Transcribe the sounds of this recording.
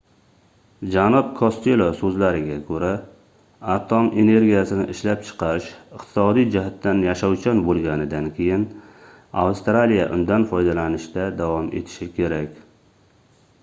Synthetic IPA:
d͡ʒanɒb̚kʰost̪elˠosɵzlaɾɪɡʲakʰɵɾa | at̪ʰome̞ne̞ɾɡʲijasɪnɪʔɪʃlap̚t͡ʃʰɨ̥qʰɑɾɪʃɪqt̪ʰɪ̥sɒd̪ijd͡ʒɪɦat̪ːanjaʃawt͡ʃʰɒnbolˠɡʲanɪd̪ankʲʰejɪn | a̰wst̪ɾalija̰ʔʊnd̪anfɒjd̪alanɪʃd̪ad̪avɒme̞̰t̪ʰɪ̥ʃɪkʲʰe̞ɾakʲ

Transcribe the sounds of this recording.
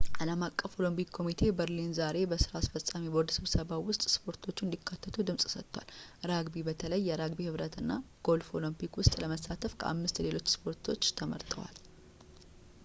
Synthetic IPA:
ʔaləmakʼːəfo̞lompikkʰːo̞mit̪ʰe̞bəɾlinzaɾe̞bəsɨɾasfəsʼamibod̪sɨβsəβawʊst̪ʼspʰo̞ɾt̪ʰo̞t͡ʃːɪnd̪ikʰːat̪ʰːət̪ʰud̪ɨmsʼsət̪ːwa̰lɾaɡbibət̪ʰələjːɛɾaɡbihɨβɾət̪ɨnːa | ɡ̥o̞lfo̞lompikwʊst̪ʼləməsːat̪ʰəfkʰəʔa̰mːɨst̪le̞lo̞t͡ʃːspʰo̞ɾt̪ʰo̞t͡ʃːt̪ʰəmə̰ɾt̪ʰʼə̰wa̰l

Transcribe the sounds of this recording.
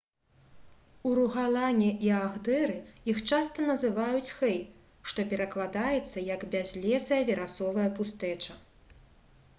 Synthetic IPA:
uɾuɣalˠanʲɛʔiaɣd̪ɛɾɨjixt͡ʂast̪ɐnɐzɨvajut͡sʲxɛj | ʂt̪ɔpʲɛɾɐklˠad̪ajɛt̪sːɐjɐɡbʲazʲlʲɛsɐjɐvʲɛɾasɔvɐjɐpust̪ɛt͡ʂɐ

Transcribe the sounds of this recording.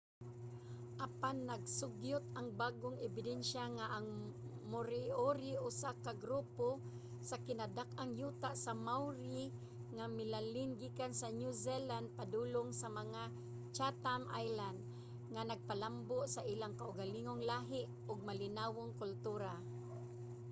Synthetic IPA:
ʔapanːɐɡsʊɡjʊt̪̚aŋbaːɡoŋɛbɪd̪ɛnʃaŋaʔaŋmʊɾɪʔoɾɪʔʊsakaɡɾuːpo | sakɪnad̪akʔaŋjuːt̪aʔsamawɾi | ŋamɪlalɪnɡiːkansanjuzɛland̪̚pad̪uːloŋsamɐŋa | t͡ʃat̪amʔa̰jland̪̚ | ŋanaɡ̚palamboʔsaʔilaŋkaʔʊɡaliŋoŋlaɦɪʔ | ʊɡ̚malɪnawoŋkʊlt̪uːɾa

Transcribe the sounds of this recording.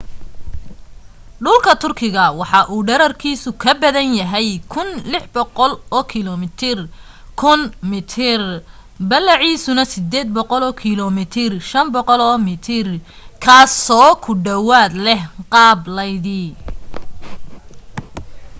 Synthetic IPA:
ɖʊlkʰɐt̪ʰʊrkʰɪɣɐwɑħɑʔuːɖɐɾɐrkʰiːsʊkʰɐbɐðɐnjɐɦɛjkʰʊnlɪħbɔqɔlɔːkʰilɔmɪt̪ʰɪr | kʰʊnmɪt̪ʰɪr | bɐlːɐʕiːsʊnɐsɪd̪ɛːd̪̚bɔqɔlɔːkʰilɔmɪt̪ʰɪrʃɐnbɔqɔlɔːmɪt̪ʰɪr | kʰaːsɔːkʰʊɖɐwaːd̪lɛhqɑːblɐjðiː

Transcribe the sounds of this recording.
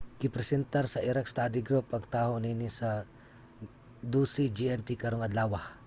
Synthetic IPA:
kɪpɾɛsɛnt̪aɾsɐʔiɾakst̪ad̪ɪɡɾupɐŋt̪aːɦoniːnisɐ | d̪usid͡ʒiɛnt̪ikɐɾoŋɐd̪laːwah

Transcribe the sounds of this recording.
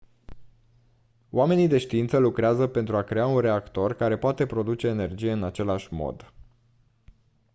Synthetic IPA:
oame̞nid̪e̞ʃt̪iint̪səlukɾeazəpe̞nt̪ɾuakɾe̞aunre̞akt̪o̞rkaɾe̞poat̪e̞pɾo̞d̪ut͡ʃe̞ːne̞rd͡ʒije̞ɨnat͡ʃe̞laʃʲmo̞̰d̪

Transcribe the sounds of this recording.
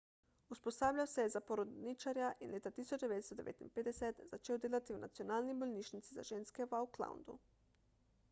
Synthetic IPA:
usposaːblʲawsɛjɛzapoɾod̪nit͡ʃaɾjaʔinleːt̪at̪iːsod͡ʒd̪ɛʋeːt̪st̪ɔd̪ɛʋḛːt̪inped̪ɛsɛt̪zat͡ʃeːwd̪eːlat̪iwna̰t̪sionaːlnibolʲniʃnit̪siza̰ʒeːnskɛwawkla̰wnd̪ṵ

